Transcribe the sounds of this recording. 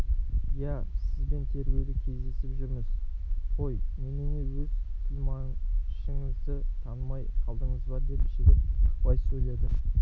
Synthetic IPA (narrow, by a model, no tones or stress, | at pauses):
jæsɪzbe̞nt̪ʰe̞ɾɡʲe̞wd̪ɪkʲʰe̞zd̪e̞sɪpʒʏɾmɪzqʰo̞jmenene̞wɵzfilmɑnʃəɴəzd̪ɪt̪ʰɑnəmɑjqʰɑlˠd̪əɴəzbɑɾd̪e̞pʃɪd̪ʲepʰəpɑjsɵjled̪ə